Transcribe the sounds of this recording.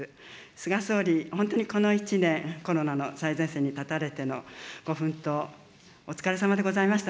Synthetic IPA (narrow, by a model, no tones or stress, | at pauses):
sɨɡaso̞ːɾʲihõnt̪oɲ̟iko̞no̞it͡ɕinẽ̞ŋko̞ɾo̞nano̞saizẽ̞ɰ̃se̞ːɲ̟it̪at̪aɾe̞t̪e̞no̞ɡ̥o̞ɸɯ̟̃nt̪o̞ː | t͡sɨ̥kaɾe̞samad̪e̞ɡo̞zaimaɕi̥t̪a